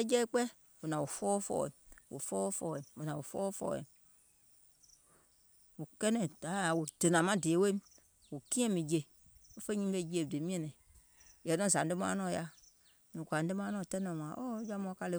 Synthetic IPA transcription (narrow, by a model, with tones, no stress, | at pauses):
ɛ˦d͡ʒɛ˦i˦k͡pɛ˦ | wo˨nã˨wo˨fɔː˦fɔ̰˦˨ɛ̰˨wʔo̰˨fɔː˦fɔ̰˦˨ɛ˨wo˨nã˨wo˨fɔ˦fɔ̰˦˨ɛ̰˨ | wo˨kɛ˦nɛ̃˨da˨˦˨wo˨d̥e˨nã˨mã˦de˨e˨˦we˦m | wo˨kĩ˦ɛ̃˦mĩ˨d͡ʒe˨ | wo˦fe˦ɲĩ˦be˦˨d͡ʒi˦e˨de˨mĩ˦ɛ̃˨nɛ̃˨ | jɛ˨˦nɔ̃˦˨za˨n̩˦de˦mã̰˦nɔ̃˦˨ja˦ | mĩ˨kʷa˨n̩˦de˦mã˦nɔ̃˦˨tɛ˦nɛ̃˨m˨ã˨ʔo˦d͡ʒa˦mɔ̃˧˦ka˦le˦˨